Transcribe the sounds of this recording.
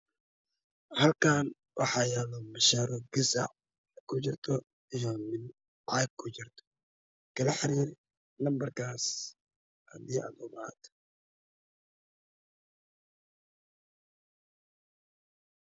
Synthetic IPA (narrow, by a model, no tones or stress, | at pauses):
hɐlkʰaːn | wʔɑ̰ħɑjalɔmɐʃaɾɔɡɪsa̰ | kʰʊt͡ʃɪrt̪ʰɔ | ijɔmɪn | ʕajɡ̚kʰːʊt͡ʃɪrt̪ʰɔ̥ | kʰɐlɐħɪɾiːɾ | nɐmbɐrkʰaːs | hɐ̰d̪iːɐ̰d̪ɔma̰ːd̪